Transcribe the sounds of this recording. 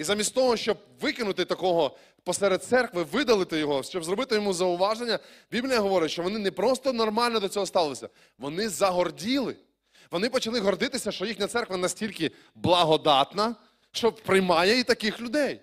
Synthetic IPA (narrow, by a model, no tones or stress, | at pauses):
izamʲisʲt̪ʲɔɦɔʃt͡ʃɔb̚ | ʋɪkɪnʊt̪ɪt̪ɐkɔɦɔ | pɔsɛɾed̪̚t̪sɛrkʋɪʋɪd̪ɐlˠɪt̪ɪjɔɦɔʃt͡ʃɔbzɾɔbɪt̪ɪjɔmuzɐʊʋɑʒenʲːɐbʲiblʲijɐɦɔʋɔɾɪʃt͡ʃɔʋɔnɪnɛpɾɔst̪ɔnɔrmɑlʲnɔd̪ɔt͡sʲɔɦɔst̪ɑlˠɪsʲɐ | ʋɔnɪzɐɦɔrdʲilˠɪ | ʋɔnɪpɔt͡ʃɐlˠɪɦɔrd̪ɪt̪ɪsʲɐʃt͡ʃɔjixnʲɐt̪sɛrkʋɐnɐsʲtʲilʲkɪ | blˠɐɦɔd̪ɑt̪nɐ | ʃt͡ʃɔbpɾɪjmɑjɛit̪ɐkɪxlʲʊd̪ɛj